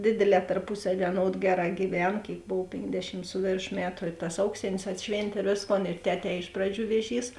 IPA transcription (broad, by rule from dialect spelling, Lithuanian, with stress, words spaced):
ˈdʲeːdʲeːˌlʲɛː tɐrˈpʊsɐˌʋʲiɛ ɐˈnoːt ˈɡʲæːˌrɑː ɡʲiːˈʋʲɛn ˈkʲeːɪk ˈboːw ˈpʲeːŋɡˌdʲæːʃʲɪm ˈsʊ ʋʲeːrˌʃoː ˈmʲæːtʊ ɪ tɐs ˈɐʊksʲeːnʲeːs ɐtʲˈʃʲʋʲeːnʲtʲeː ɪr ˈʋʲeːsˌkoːn ɪr ˈtʲæːˌtʲɛː ˈɪʃ prɐˌd͡ʒʲuː ˈʋʲeːˌʒʲiːs